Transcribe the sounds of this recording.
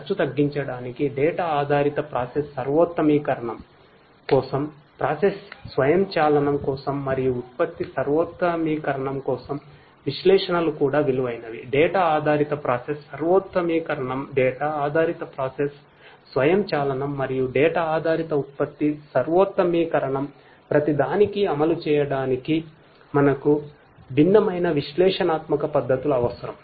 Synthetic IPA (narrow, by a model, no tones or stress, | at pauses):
ɐt͡ʃːut̪ɐɡːiɲt͡ʃɐɽaːnikiɖɛːʈɐaːd̪ʱaːɾit̪ɐpɾaːsesːɐɾʋoːt̪ːɐmiːkɐɾɐɳɐm | kɔːsɐmpɾaːsesːʋɐjɐmt͡ʃaːlɐnɐmkɔːsɐmːɐɾijuːt̪̚pɐt̪ːisɐɾʋoːt̪ːɐmiːkɐɾɐɳɐmkɔːsɐm | ʋiʃlɛːʂɐnɐlukuːɽaːʋiluʋɐjnɐʋiɖɛːʈaaːd̪ʱaːɾit̪ɐpɾaːsesːɐɾʋoːt̪ːɐmiːkɐɾɐɳɐmɖɛːʈaːaːd̪ʱaːɾit̪ɐpɾaːsesː | ʋɐjɐmt͡ʃaːlɐnɐmːɐɾijuɖɛːʈaaːd̪ʱaːɾit̪ɐut̪̚pɐt̪ːisɐɾʋoːt̪ːɐmiːkɐɾɐɳɐm | pɾɐt̪id̪aːnikiɐmɐlut͡ʃɛːjɐɽaːniki | mɐnɐku | bʱinːɐmɐjnɐʋiʃlɛːʂɐnaːt̪mɐkɐpɐd̪ʱːɐt̪ulɐʋɐsɐɾɐm